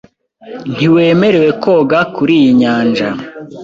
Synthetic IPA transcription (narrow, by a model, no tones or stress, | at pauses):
n̥iwe̞ːme̞ɾe̞we̞kʰo̞ɡakuɾiːjiɲaːnd͡ʒa